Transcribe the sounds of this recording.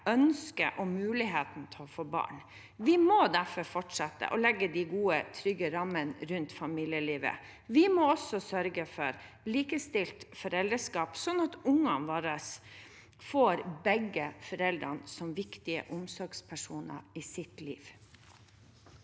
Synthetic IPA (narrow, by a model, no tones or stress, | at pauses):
œnskə̰ʔɔmʉːlɪɦeːt̪n̩t̪ʰɛɔfoːbɑ̰ːɳ | ʋɪmɔd̪æɾfɔɾfɔʈʂɑt̪ːə̰ʔɔlɛɡːəd̪ɪɡuːət̪ʰɾʏɡəɾɑmːənɾʉnt̪fɑmiːlɪəliːʋə̰ | ʋɪmɔɔsɔsœɾɡəfɔɾ | liːkəst̪ɪlt̪fɔɾɛld̪əʂkɑːpsɔnːɑt̪ʊŋːɑnʋɑːɾəs | foːɾbɛɡəfɔɾɛld̪ɾɑnsɔmʋɪkt̪ɪə̰ʔʊmsɔɾɡspʰæʂuːnə̰ɾɪsɪt̪lḭːʋ